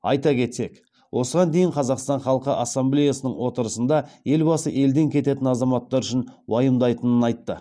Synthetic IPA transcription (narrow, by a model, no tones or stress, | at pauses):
ɑjt̪ɑkʲʰe̞t̪se̞k | wʔo̞səʁɑnd̪e̞jɪɴqʰɑzɑqst̪ɑɴχɑlˠəqəʔɑsːɑmblʲejasənəɴwo̞t̪əɾəsənd̪ɑje̞lbɑsə̰ʔe̞ld̪e̞ŋkʲʰe̞t̪e̞t̪ɪnɑzɑmɑt̪ːɑɾʏʃɪnwɑjəmd̪ɑjt̪ənənɑjt̪ːə̰